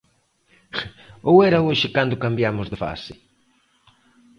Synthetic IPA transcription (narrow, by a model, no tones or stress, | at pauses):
owɛɾaoʃɪkand̪ʊkambjamʊzðɪfa̰sɪ